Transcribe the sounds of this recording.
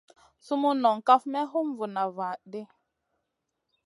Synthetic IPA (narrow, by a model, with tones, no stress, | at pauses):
su˦mu˦nɔ˨ŋka˦fmɛ˦ɦu˦m˨vu˨na˨va˨de˦